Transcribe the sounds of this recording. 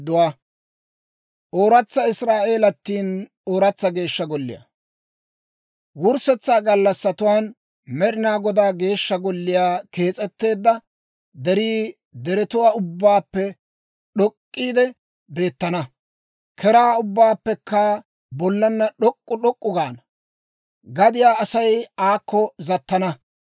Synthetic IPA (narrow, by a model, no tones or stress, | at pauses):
d̪ʊwaː | ʔoːɾɐt͡sːɐɪsɾaːʔe̞ːlɐt̪ːiːn | oːɾɐt͡sːɐɡe̞ːʃːɐɡɔlːɪ̰ja̰ | wʊɾsɛt͡sːaːɡɐlːɐsːɐt̪ʊwaːn | mɛɗɪnaːɡɔd̪aːɡe̞ːʃːɐɡɔlːɪjaːke̞ːt͡sʼɛt̪ːe̞ːd̪ːɐ | d̪ɛɾiː | d̪ɛɾɛt̪ʊwaːʊbːaːpːɛ | ɗɔkʼːiːd̪ɛ | be̞ːt̪ːɐnɐ | kʰɛɾaːʊbːaːpːɛkʰːɐ | bɔlːɐnːɐɗɔkʼːʊɗɔkʼːʊɡaːnɐ | ɡɐd̪ɪjaːʔɐsɐjaːkːɔzɐt̪ːɐnɐ